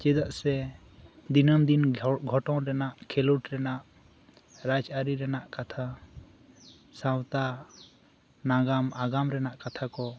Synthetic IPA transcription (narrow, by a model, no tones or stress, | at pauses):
t͡ʃɛd̪aʔsɛ | d̪inəmd̪inɡʱɔʈɔ̃wɾɛnaʔkʰɛluʈɾɛnaʔ | ɾad͡ʒaɾiɾɛnaʔkat̪ʰa | sãwt̪a | naɡamaɡamɾɛnaʔkat̪ʰakɔ